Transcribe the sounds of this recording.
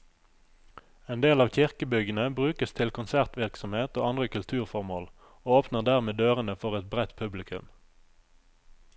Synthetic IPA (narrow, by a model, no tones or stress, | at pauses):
eːnd̪eːlɑːʋçɪʁkəbʏɡənəbʁʉːkəst̪ʰɪlkʰʊnsæʁt̪ʋɪʁksɔmheːt̪oːɑnd̪ʁəkʉlt̪ʰʉːʁfɔʁmoːl | oːoːpnəʁd̪æʁmeːd̪øːʁənəfɔʁɛt̪̚bʁɛt̪pʰʉblɪkʰʉ̰m